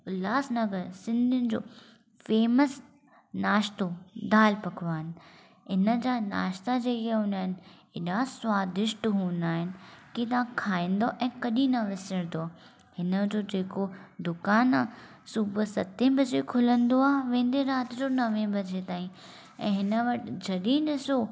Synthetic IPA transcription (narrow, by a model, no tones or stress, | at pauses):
ʊlaːsnɐɡəɾsɪ̃nd̪ʱʊnɪ̆d͡ʑo̰ː | feːməs | naːʃt̪od̪aːlpɐkʰʋaːɦɪnɪ̆ | ɪnə̆d͡ʑana̰ːʃt̪ad͡ʑeːkiɦʊ̃naːɦɪnɪ̆ | ɪɗãswaːd̪ɪʃʈɦũːnd̪aːɦɪnɪ̆kit̪ɐʋãkʰaːĩnd̪oʔɛ̃ːkɐɗĩnɐʋɪsəɽ̃d̪oaː | hɪnə̆d͡ʑoːd͡ʑeːkod̪ʊkaːnaː | suːbʱsɐt̪ẽbʱɐd͡ʑekʰʊlə̃nd̪oaːʋẽːn̆d̪eɾaːt̪d͡ʑoːnɐʋẽːbʱɐd͡ʑet̪aːĩ | ɛ̰̃ːɦɪnə̆ʋɐʈʰɪ̆d͡ʑʱɐɗĩːnɗɪso